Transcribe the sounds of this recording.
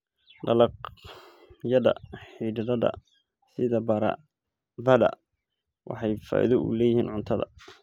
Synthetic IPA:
ɖɐlɑq | jɐðɐ̰ħiːɖɐðɐðɐ̰ | sɪðɐbɐɾɐ̰ | ðɐðɐ̰ | wʔɑ̰ħɑjfa̰ːʔɪ̰ðɔʔʊ̰lɛːjɪhiːnʕʊnt̪ʰɐðɐ̰

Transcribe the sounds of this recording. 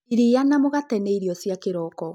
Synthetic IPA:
iɾianamoɣatɛneiɾiɔsjakeɾɔkɔ

